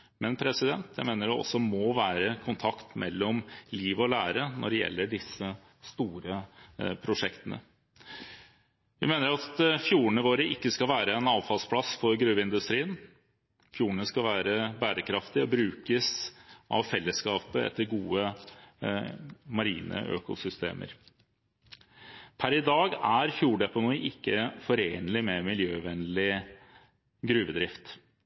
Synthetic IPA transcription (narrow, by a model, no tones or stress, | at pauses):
mɛnpʰɾɛsɪd̪ɛnt̪jæɪmeːnəɖɛɔ̰sːɔmɔʋæːɾəkʰʊnt̪ʰɑkt̪mʔɛ̰lːɔmliːʋɔlæːɾənɔɖɛjɛ̰lːəɖɪsːə | st̪uːɾəpʰɾʊʂɛkt̪ənʔə̰ | ʋɪmeːnəɾɑt̪fjuːɳəʋoːɾəɪkːəskɑlʋæːɾəɛnɑːʋfɑlspʰlɑsfɔɾɡɾʉːʋəɪnd̪ʉst̪ɾiːən | fjuːɳəskɑlʋæːɾəbæːɾəkʰɾɑft̪ɪɔbɾʉːkəsʔɑ̰ʋfɛlːəskɑːpəɛ̰t̪ːəɾɡuːə | mɑɾḭːnə̰ʔø̰ːkʊ̰sʏst̪ḛːmʔə̰ɾ | pʰæɾɪd̪ɑːɡæɾfjuːɖɛpɔnɔʔɪkːəfɔɾeːnlɪmɛmɪljøːʋɛnlɪ | ɡɾʉːʋəd̪ɾɪft̪